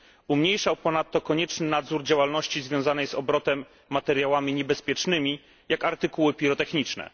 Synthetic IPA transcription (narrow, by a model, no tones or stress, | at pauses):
umɲejʂawpɔnat̪ːɔkɔɲɛt͡ʂnɘnad̪zuɾd͡ʑawalnɔɕt͡ɕizvʲjɔ̃w̃zanɛjzɔbɾɔt̪ɛmː | at̪ɛɾʲjawamʲiɲɛbɛspʲjɛt͡ʂnɘmʲi | jakaɾt̪ɘkuwɘpʲiɾɔt̪ɛxɲit͡ʂnɛ̰